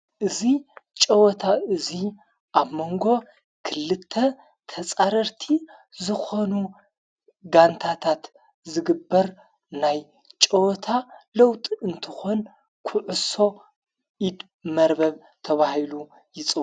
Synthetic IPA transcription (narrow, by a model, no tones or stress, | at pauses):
ʔɨzit͡ʃʼɐwɔt̪ʰaʔɨzi | ʔaβmo̞ŋɡo̞ | kʰɨlɨt̪ʰːɐ | t̪ʰɐt͡sʼaɾɐɾt̪ʰi | zɨxo̞nu | ɡant̪ʰat̪ʰat̪ | zɨɡɨbːɐɾ | naj | t͡ʃʼɐwɔt̪ʰalowt̪ʼɨnt̪ʰɨxo̞n | kʰʊʕʊso̞ | id̪ | mɐɾbɐβ | t̪ʰɐβahilu | jɪt͡sʼɨ